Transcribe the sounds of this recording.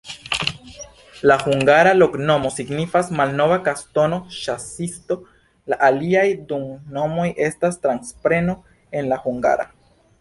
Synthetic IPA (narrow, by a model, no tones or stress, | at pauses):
lahuŋɡaɾalo̞kno̞mo̞siɡnifasmalno̞vakasto̞no̞ʃasisto̞ | laʔaliajduŋno̞mo̞jʔe̞stastɾanspɾe̞no̞ | e̞nlahuŋɡa̰ɾa̰